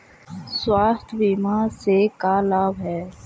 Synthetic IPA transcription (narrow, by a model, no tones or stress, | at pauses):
swaːst̪ʰbiːmasekalaːbʱɦɛː